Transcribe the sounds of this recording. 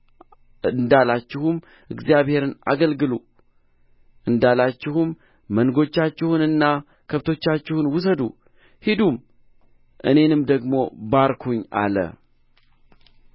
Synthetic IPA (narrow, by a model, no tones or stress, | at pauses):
ɨnd̪alat͡ʃːɪhum | ʔɨɡzijaβhe̞ɾɨna̰ɡəlɡɨlu | ʔɨnd̪alat͡ʃːɪhumː | ənɡo̞t͡ʃːat͡ʃːɪhunɨnːa | kʰəβt̪ʰo̞t͡ʃːat͡ʃːɪhunwʊs̬əd̪ṵ | hid̪um | ʔɨne̞nɨmd̪əɡmo̞baɾkʰuɲa̰lə̰